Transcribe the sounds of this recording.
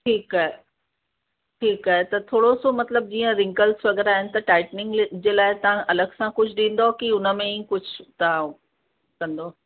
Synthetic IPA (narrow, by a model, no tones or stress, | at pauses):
ʈʰiːkaːɦe | ʈʰiːkaːɦet̪ɐt̪ʰoːɽosomɐt̪ləb̚d͡ʑĩːə̃ɾɪ̃ŋkəlsʋɐɡɛɾaːɦɪnɪ̆t̪ɐʈaːɪʈnɪ̃ŋɡd͡ʑeːlaːɪt̪ɐʋ̤ãʔɐləɡsãkʊd͡ʑʱɗĩːn̆d̪okiʊnə̆mẽĩːkʊd͡ʑʱt̪ɐʋ̤ã | kɐ̃nd̪oː